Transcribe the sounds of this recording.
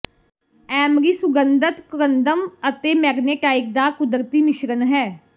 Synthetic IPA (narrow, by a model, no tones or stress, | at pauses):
ɛːmɾiːsʊɡənd̪ət̪kɾənd̪əmət̪eːmɛːɡneːʈaːɪk̚d̪aːkʊd̪əɾt̪iːmɪʃɾənɦɛː